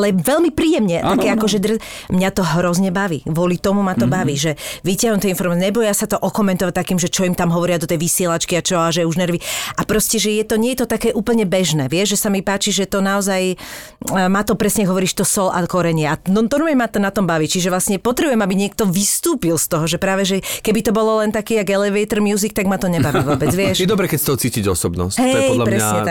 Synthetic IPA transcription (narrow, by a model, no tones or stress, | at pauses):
lɛʋɛlmipɾiːjɛmɲɛt̪akɛakɔʒɛd̪rmɲat̪ɔɦɾɔzɲɛbaʋḭːʋʊɔlit̪ɔmumat̪ɔbaʋiːʒɛʋicɪaɦnnt̪ɛjinfɔɾmaɛɲɛbɔjasat̪ɔʔɔkɔmɛnt̪ɔʋac̚t̪akiːmʒɛt͡ʃɔimt̪amɦɔʋɔɾɪad̪ɔt̪ɛjʋisɪɛlat͡ʃkiat͡ʃɔaʒɛuʒnɛɾʋiapɾɔscɛʒɛjɛt̪ɔɲɪɛjɛt̪ɔt̪akɛːʔuːpl̩ɲɛbɛʒnɛ̰ːʋɪɛʒʒɛsamipaːt͡ʃiʒɛt̪ɔnaɔzaj | maːt̪ɔpɾɛsɲɛaɡɦɔʋɔɾiːʃt̪ɔsɔlʔa̰kɔɾɛɲɪɛanɔt̪ɔɾumɛɛmat̪ɔnat̪ɔmbaʋiːt͡ʃiʒɛʋlasɲɛpɔt̪ɾɛbujɛmabiɲɪɛk̚t̪ɔʋist̪uːpilst̪ɔɦɔʒɛpɾaːʋɛʒɛkɛbit̪ɔbɔlɔlɛnt̪akiːjaɡɛlɛʋɛjt̪r̩mjuːzik̚t̪aɡmat̪ɔɲɛbaʋiːʋɔːbɛd͡zʋɪɛʃɛd̪ɔbɾɛkɛcst̪ɔɦɔt͡siːciɟɔ̰sɔbnɔ̰sɦɛlpɾɛsɲɲɛa